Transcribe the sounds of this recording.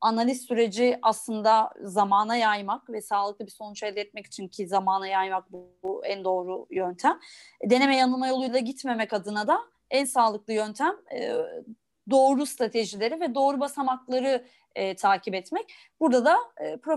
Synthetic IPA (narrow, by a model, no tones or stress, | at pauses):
analʲissyɾe̞d͡ʒiaslˠɯnd̪azamaːnajajmakvɛsaːlˠɯk̚lˠɯbiso̞nut͡ʃɛld̪ʲɛt̪mɛci̥t͡ʃʰincʰizamaːnajajmak̚b | uænd̪o̞ːɾujønt̪ʰæmd̪e̞ne̞mɛjanɯlˠmajo̞lˠujlˠaɟit̪me̞mɛcad̪ɯnad̪a | ænsaːlˠɯklˠɯjønt̪ʰæmː | d̪o̞ːɾust̪ɾat̪ʰe̞ʒilʲe̞ɾivɛd̪o̞ːɾubasamaklˠaɾɯː | t̪ʰaːcʰibɛt̪mɛc̚ | buɾd̪ad̪aːpɾo